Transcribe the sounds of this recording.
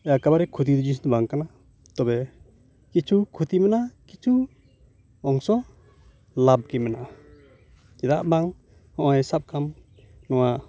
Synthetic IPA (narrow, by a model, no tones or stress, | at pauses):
ɛjakabaɾɛkʰut̪̬id̪ɔd͡ʒisnbaŋkana | t̪ɔbɛ | kit͡ʃʰukʰut̪imɛnakit͡ʃʰu | ɔŋsɔ | lab̚kɛmɛnaʔa | d͡ʒɛd̪aʔbaŋ | hɔʔɔɛsap̚kʰam | nɔwa